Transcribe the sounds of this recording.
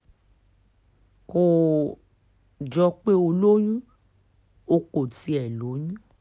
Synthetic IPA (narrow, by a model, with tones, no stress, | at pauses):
ko˨ | d͡ʒɔ˧k͡pe˦o˧lo˦j̃ũ˦ | o˧˦ko˨ti˨˦ɛ˨lo˨˦jũ˦